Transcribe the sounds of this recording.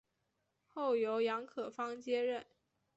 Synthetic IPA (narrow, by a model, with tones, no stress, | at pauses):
xo˥˩ʊjo˧˥ʊjɑ˧˥ŋkʰɤ˨˩fɑ˥ŋt͡ɕjɛ˥ɻə˥˩n